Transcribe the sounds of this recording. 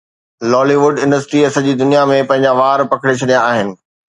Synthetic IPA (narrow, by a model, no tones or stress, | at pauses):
lɔːliʋʊɖɪ̃nɖəsʈɾiɐsɐd͡ʑiːd̪ʊnijamẽpɐ̃ɦɪ̃ɲ̆d͡ʑaʋaːɾpɐkʰɪɽet͡ɕʰɐɗijaːɦɪnɪ̆